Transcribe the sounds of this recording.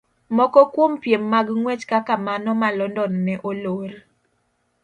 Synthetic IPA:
mɔkɔkwompjemːaɡŋwɛt͡ʃkakamanɔmalɔndɔnnɛʔoloɾ

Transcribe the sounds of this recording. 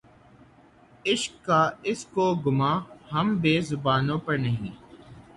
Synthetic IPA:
ɪʃkːaːɪskoːɡʊmaːhɐmbeːzʊbaːnõːpɐɾnɐɦĩː

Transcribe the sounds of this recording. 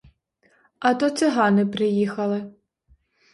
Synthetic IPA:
ɐt̪ɔt͡sʲɐɦɑnɪpɾɪjixɐlˠɪ

